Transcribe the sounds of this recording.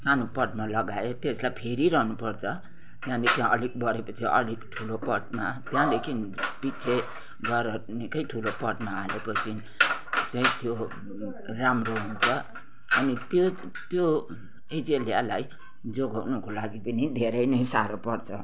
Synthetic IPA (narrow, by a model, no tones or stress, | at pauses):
sanopʌʈmalʌɡaet̪eslajpʰeɾiɾʌɦnupʌrt͡sʰʌ | t̪jãd̪ekʰiʌ̰lik̚bʌɽepʌt͡sʰiʔʌ̰likʈʰulopʌʈmat̪jãd̪ekʰinb̥isʰe | ɡʌɾʌnikʌjʈʰulopʌʈmaːlepʌt͡sʰi | t͡saĩt̪jo | ramroɦunt͡sʰʌ | ʌnit̪jo | t̪jo | ed͡zeljalaj | d͡zoɡʌwnʌkolaɡipʌnid̪ʱeɾʌjnʌjsaɾopʌrt͡sʰʌ